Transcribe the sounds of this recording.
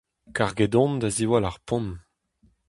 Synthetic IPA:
kaʁɡedɔ̃nd̪aziwalaʁpɔ̃n

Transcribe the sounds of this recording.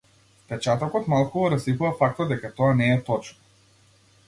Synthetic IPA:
pɛt͡ʃat̪ɔkɔt̪malˠkuɔɾaslikuvafak̚t̪ɔd̪ɛkat̪ɔanɛːt̪ɔt͡ʃnɔ

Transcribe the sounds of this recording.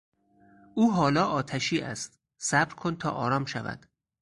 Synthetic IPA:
ʔuːɦɒːlɒːʔɒːt̪ʰæʃiːʔæ̰st̪ | sæbɾkʰont̪ʰɒ̰ːʔɒ̰ːɾɒːmʃævæ̰d̪̥

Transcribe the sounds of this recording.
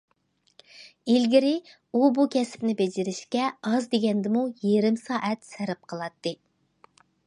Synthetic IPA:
ilɡʲɪɾɪ | ubukʲʰɛsɪ̥pnɪbed͡ʒɪɾɪʃkʲɛɑzd̪eɡʲɛnd̪ɪmujeɾɪmsɑːʔɛt̪sæɾɪp̚qʰəlˠɑt̪ːɨ

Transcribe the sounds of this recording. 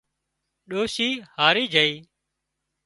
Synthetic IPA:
ɗoːʃiːhaːɾiːd͡ʒʱəiː

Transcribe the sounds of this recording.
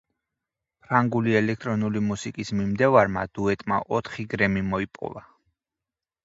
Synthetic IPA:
pʰɾaŋɡuliɛlɛk̚ʰt̪ʼɾɔnulimusikʼismimd̪ɛvaɾmad̪̥uɛt̪ʼma̰ʔɔt̪ʰχiɡɾɛmimɔipʼɔ̰va

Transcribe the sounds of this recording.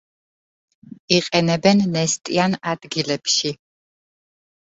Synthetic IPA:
iqʼɛnɛbɛnːɛst̪ʼianad̪̥ɡilɛpʃi

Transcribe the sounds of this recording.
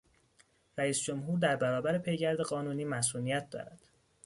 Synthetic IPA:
ɾæiːsd͡ʒomɦuːɾd̪æɾbæɾɒːbæɾepʰe̞jɟæɾd̪e̞ɢɒːnuːniːmæsʔuːnijæt̪̚ʰd̪ɒ̰ːɾæd̪̥

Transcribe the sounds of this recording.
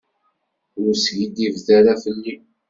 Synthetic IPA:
ʊɾsʝid̪ivðæɾafəlːi

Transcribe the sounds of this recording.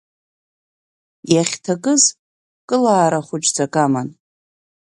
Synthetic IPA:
jaχʲtʰakʼɨz | kʼɨlaːɾaχʷʊt͡ʃʼd͡zakʼaman

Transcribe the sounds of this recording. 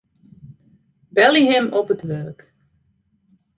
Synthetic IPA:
bɛliɦɛmɔpətʋørk

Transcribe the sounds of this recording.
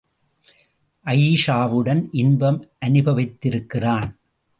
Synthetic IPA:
ʔɐjiːʂaːʋɯɽɐnʔɪnbɐmʔɐnɯbɐʋɐɪt̪ːɪɾɯkːɪraːn

